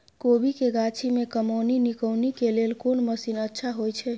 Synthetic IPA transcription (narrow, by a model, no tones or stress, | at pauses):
kobʱikeɡat͡ʃʰimekəməninikəwnikelelkonməsinətːʃʰaɦojt͡ʃʰɛ